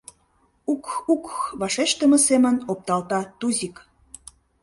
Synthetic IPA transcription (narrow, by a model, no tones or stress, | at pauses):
ukukβɑʃeʃt̪əmə̆semənop̚t̪ɑlt̪ɑt̪uzʲik